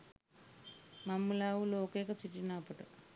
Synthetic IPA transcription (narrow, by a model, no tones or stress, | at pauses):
mɐmːulaːwulookeːkɐt͡ʃiʈːinaːpɐʈu